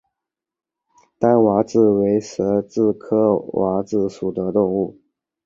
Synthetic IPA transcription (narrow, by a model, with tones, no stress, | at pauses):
t̪a˥nwa˧˥t͡sɹ̩˥˩we˧˥ɪʂɤ˧˥t͡sɹ̩˥˩kʰɤ˥wʔa˧˥t͡sɹ̩˥˩ʂu˨˩t̪ə˦t̪ʊ˥˧ŋu˥˩